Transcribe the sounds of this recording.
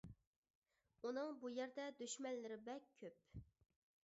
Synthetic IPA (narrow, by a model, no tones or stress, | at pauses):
unɨŋbujæɾd̪ɛd̪øʃmɛnlːɪɾɪbɛk̚ʲʰøp̚